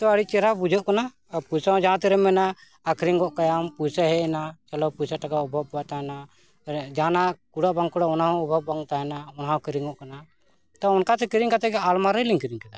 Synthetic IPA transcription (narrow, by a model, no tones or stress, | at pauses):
t̪ɔəɽic̚t͡ʃɛɾabud͡ʒɔʔkana | puɾsaɦɔ̃d͡ʒaãt̪ɛɾɛmɛnaː | kʰɾiŋɡɔʔkajampuɾsaɦɛɛnat͡ʃalɔpuɾsaʈakaɔbʱɔb̚uat̪aɦɛna | d͡ʒanakuɽaʔbaŋkɔɽaɔnaɦɔ̃ɔbʱabbaŋt̪aɦɛnaɔnaɦɔ̃kiɾiŋɡɔʔkana | t̪aɔnkat̪ɛkiɾiŋkat̪ɛɡɛalmaɾɛliŋkiɾiŋkad̪a